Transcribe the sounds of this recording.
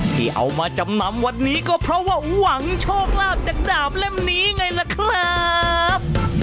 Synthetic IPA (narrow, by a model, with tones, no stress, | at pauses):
t̪ʰiː˥˩ʔa̰˧wmaː˧t͡ɕa˧mna˧˥mwa˧nːiː˦˥kɔː˥˩pʰɾɔ˦˥waː˥˩wa˨˩˦ŋt͡ɕʰɔː˥˩k̚laː˥˩p̚t͡ɕaː˨˩k̚daː˨˩p̚lɛ˥˩mniː˦˥ŋa˧jla˦˥kʰɾa˦˥p̚